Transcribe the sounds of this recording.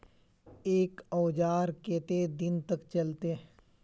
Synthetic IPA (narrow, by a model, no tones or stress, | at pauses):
eːkɔːd͡ʒaːɾkeːt̪ed̪ɪnt̪əkt͡ʃɐlt̪e